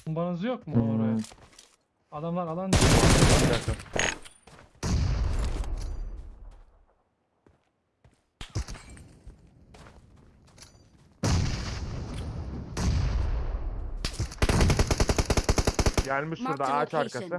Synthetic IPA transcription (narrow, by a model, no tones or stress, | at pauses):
umbaɾɯzɯjokmu | ad̪amlˠaɾalˠand̪iinaaɾbakd͡ʒak̪aɾ | ɟælʲmiʃuɾd̪aat͡ʃaɾkasɯ